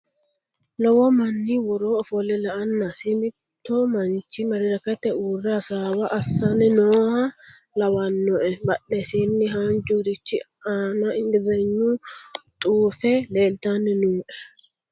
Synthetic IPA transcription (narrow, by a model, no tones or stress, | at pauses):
lɔwɔmɐnːɪwɔɾoːɔfɔlɛlɐʔɐnːɐsɪmɪt̪ːɔmɐnt͡ʃɪmɐɾɪɾɐkɐt̪ːɛuːrːasaːwɐʔːsːɐnɛnoːhɐ | lɐwɐnːɔʔɛbɐɗːɛsinːɪɦɐnd͡ʒuɾɪt͡ʃːɪ̰ | aːnɐɪŋɡ̪ɪzɐɲːʊt̪ʼuːfɛleːlt̪anːɛnuːʔɛ̥